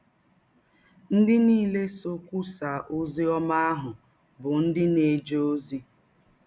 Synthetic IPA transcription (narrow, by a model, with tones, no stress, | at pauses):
n̩˦dɪ˦niː˦˨le˦so˦kʷu˦sa˨ʔo˦zi˦ɔ˦ma˦a˦ɦʊ˨ | bʊ˨n̩˦dɪ˦ne˨d͡ʒe˦o˦zi˦